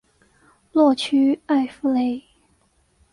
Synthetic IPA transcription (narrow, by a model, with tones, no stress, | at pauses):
lwɔ˥˩t͡ɕʰy˥a˥˩ɪfu˥le˧˥ɪ